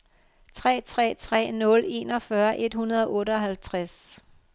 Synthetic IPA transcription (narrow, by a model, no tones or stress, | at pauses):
t͡sʰʁɛ̰ːt͡sʰʁɛ̰ːt͡sʰʁɛ̰ːnɔ̽le̝ːnɒ̽fɶɐʔe̝d̥hunɐð̞ˠɒʔɔ̽ːɾəɒ̽ɦælt͡sʰʁas